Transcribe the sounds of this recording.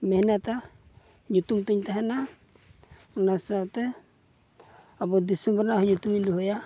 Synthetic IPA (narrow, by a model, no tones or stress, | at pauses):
mɛhnat̪a | ɲut̪umt̪uɲt̪aɦana | unasat̪ɛ | abɔd̪isɔmbɔɾnaɦɔɲut̪umind̪uɦɔja